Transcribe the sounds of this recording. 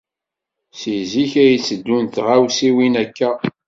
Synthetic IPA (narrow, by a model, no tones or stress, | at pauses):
siziçæjit͡sːəd̪ːunt̪ʁawsiwinækːæ